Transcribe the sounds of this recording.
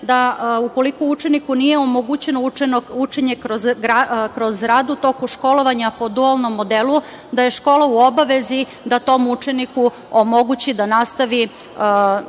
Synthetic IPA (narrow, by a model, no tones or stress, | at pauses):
d̪auko̞likout͡ʃenikunije̞omoɡut͡ɕe̞noenout͡ʂeɲe̞ɾozɡɾakɾo̞zɾaːd̪ut̪o̞kuʃko̞lo̞ʋaɲapo̞d̪ualˠno̞mːo̞d̪elu | d̪aje̞ʃko̞ːlˠauobaʋezi | d̪at̪o̞mut͡ʂe̞niku | omo̞ɡut͡ɕid̪anast̪aʋi